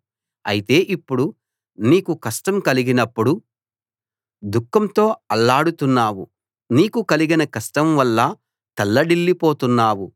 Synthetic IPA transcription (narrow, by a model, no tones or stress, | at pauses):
ɐ̰jit̪e̞ːʔipːuɽu | niːkukɐsʈɐmkɐliɡinɐpːuɽu | d̪ukːɐmt̪o̞ːɐlːaːɽut̪unːaːwṵ | niːkukɐliɡinɐkɐsʈɐmʋɐlːɐ | t̪ɐlːɐɽilːipoːt̪unːaːwu